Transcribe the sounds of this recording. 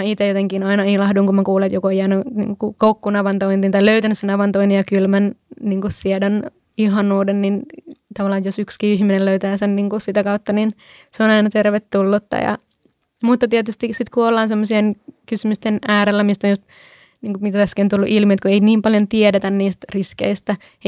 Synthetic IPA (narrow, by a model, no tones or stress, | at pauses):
æit̪ejot̪eŋkinɑinɑilɑhduŋkumækuːlet̪jokoiænonḭːŋkukukoukːunɑʋɑnt̪oint̪int̪ɑiløyt̪ænysenɑʋɑnt̪oinijɑkylmænniŋkussiɛdon | iɦɑnuːdennint̪ɑʋɑlːˑɑːjjosykskiːihminelløyt̪æːsenniːŋkusit̪ækɑut̪ːɑnin | seonɑinɑt̪erʋet̪ːulːut̪ːɑ̰jɑ̰ | mut̪ːɑt̪iɛt̪yst̪isit̪kuolːɑːnsemːosienkysymyst̪enæːɾelːæmist̪onjust̪ | niːŋkumit̪æt̪æsːkint̪ulːuʔilmiet̪kueiniːmpɑljont̪iedet̪ænniːst̪riskḛist̪æ